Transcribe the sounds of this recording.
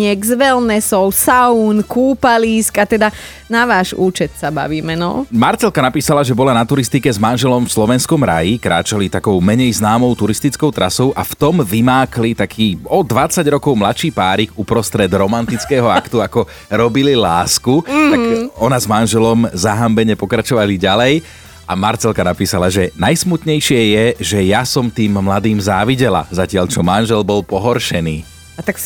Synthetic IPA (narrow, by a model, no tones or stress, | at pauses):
ɪɛɡzʋɛlnɛsɔʊsaunkuːpaliːskat̪ɛd̪a | naʋaːʒuːt͡ʃɛt̪saba̰ʋiːmɛnɔ̰maɾt͡sɛlkanapiːsalaʒɛbɔlanat̪uɾist̪ikɛzmanʒɛlɔmfslɔʋɛnskɔmɾa̰jikɾa̰ːt͡ʃalit̪akɔʊmɛɲɛjznaːmɔʊt̪uɾist̪it͡skɔʊt̪ɾa̰sɔʊʔaft̪ɔmʋimaːklit̪akʰiːɔd̪ʋat͡saɟɾɔkɔʊmlat̪ʃiːpaːɾikupɾɔst̪ɾɛd̪ɾɔmant̪it͡skɛːɦɔakt̪uakɔ | ɾɔbililaːskut̪akɔnazmanʒɛlɔmzaɦambɛɲɛpɔkɾat͡ʃɔʋaliɟalɛj | ʔamaɾt͡sɛlkanapiːsalaʒɛnajsmut̪ɲɛjʃɪɛjɛʒɛjasɔmt̪iːmːlad̪iːmzaːʋiɟɛla̰zacɪaʎt͡ʃɔmanʒɛlbɔlpɔɦɔɾʃɛniː | at̪ak